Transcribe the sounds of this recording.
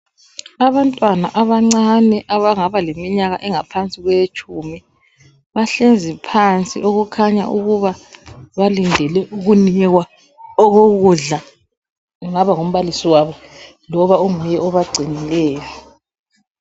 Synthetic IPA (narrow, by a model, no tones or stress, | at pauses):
aβantʼwanaʔaβaŋ͡ǀanɛʔaβaŋaβalemiɲaɣa̰ʔɛŋapʰant͡sʼiɣwɛjet͡ʃʼumi | βaɬend͡zʱipʰant͡sʼḭʔoɣukʰaɲa̰ʔuɣuβaβalindʱɛlɛuɣunɛɣwa | ɔɣoɣuɮa | ŋaβaŋom̩βalisiwaβɔ | lɔβaumɛjɛɔβaɡ͡ǀʱinilɛːjɔ